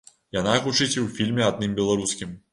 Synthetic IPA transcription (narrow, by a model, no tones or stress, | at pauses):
janaɣut͡ʂɨt͡sʲwfʲilʲmʲɛad̪̚nɨmbʲɛlˠaɾuskʲim